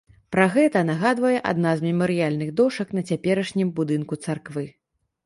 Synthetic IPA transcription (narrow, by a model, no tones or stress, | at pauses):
pɾaɣɛt̪ɐnaɣad̪vɐjɛʔa̰d̪nazmʲɛmɐɾɨjalʲnɨɣd̪ɔʂɐknɐt͡sʲapʲɛɾɐʂnʲimbud̪ɨnkut̪sarkvɨ